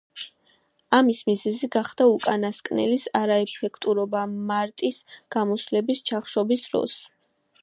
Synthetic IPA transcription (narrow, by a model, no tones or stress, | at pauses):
amismizɛziɡaχd̪̥aukʼanaskʼnɛ̰lisaɾaɛpʰɛkʰt̪ʼuɾɔbamaɾt̪ʼisɡ̥amɔslɛbist͡ʃʰaχʃɔbisɾɔ̰s